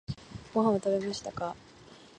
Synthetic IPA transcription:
ɡ̥o̞ɦãɰ̃at̪abe̞maɕi̥t̪aka

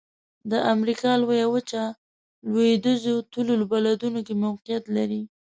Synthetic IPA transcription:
d̪əʔamɾikɑlwajawət͡ʃa | lweed̪əzot̪ulolbalad̪unokemawqijat̪laɾi

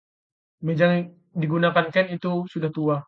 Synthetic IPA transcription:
med͡ʒaŋ | diɡunakankɛnit̪usudaht̪ua

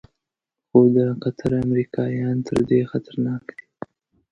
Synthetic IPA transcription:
xod̪əqat̪ʰaɾamɾikɑjɑnt̪ʰəɾd̪exat̪aɾnɑkd̪i̥

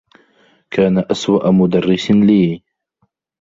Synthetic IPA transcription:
kʰaːnaʔaswaʔamʊd̪arˤːɪsnliː

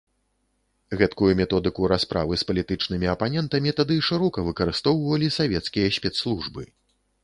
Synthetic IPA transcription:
ɣɛt̪kujumʲɛt̪ɔd̪ɨkuɾaspɾʔa̰vɨspɐlʲit̪ɨt͡ʂnɨmʲiɐpanʲɛnt̪ɐmʲit̪ad̪ɨʂɨɾɔkɐvɨkɐɾɨst̪ɔwvɐlʲisavʲɛt̪skʲijɐsʲpʲɛt̪slˠuʐbɨ̰

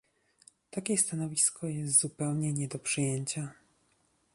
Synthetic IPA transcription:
t̪akʲɛst̪anɔvʲiskɔjɛst̪z̥upɛwɲɛɲɛd̪ɔpʂɨjɛɲt͡ɕa

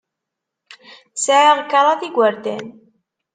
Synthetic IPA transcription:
sʕaʁkːɑɾˤɑθiɡʷəɾd̪æ̰n

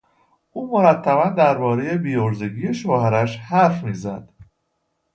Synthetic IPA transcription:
ʔuːmo̞ɾæt̪ʰːæβænd̪æɾbɒːɾe̞je̞biːoɾzeɟiːje̞ʃoːhæɾæʃhæɾfmiːzæ̰d̪̥

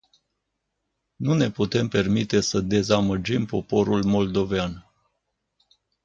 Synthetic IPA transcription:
nune̞put̪e̞mpe̞rmit̪e̞səd̪e̞zaməd͡ʒimpo̞po̞ɾulmo̞ld̪o̞vean

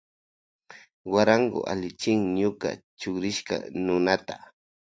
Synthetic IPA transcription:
waɾaŋɡʊ̰ʔa̰lɪt͡ʃɪŋɲʊka̰t͡ʃʊkɾɪʃka̰nʊnat̪ḁ

